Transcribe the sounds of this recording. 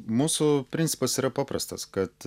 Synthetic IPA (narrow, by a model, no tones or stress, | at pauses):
muːsʊpʲɾʲɪnʲtsʲɪpɐsiːɾɐpɑːpɾɐst̪ɐskɐt̪